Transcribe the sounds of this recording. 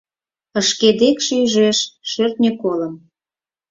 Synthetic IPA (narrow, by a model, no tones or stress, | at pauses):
əʃked̪ekʃeyʒeʃʃørt̪nʲekoləm